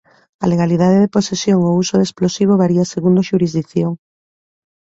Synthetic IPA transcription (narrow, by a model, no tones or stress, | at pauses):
a̰leɣaliðaðeðeposesjoŋousoðesplosiβ̞oβaɾiaseɣund̪oʃuɾizðikθjoŋ